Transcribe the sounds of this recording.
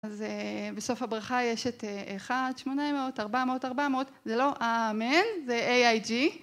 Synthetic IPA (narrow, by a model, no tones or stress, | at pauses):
azebeso̞fhabʁaχajeʃeteʔeχadʃmo̞nameotaʁbameotaʁbameotzelo̞ʔamenzeʔejajd͡ʒi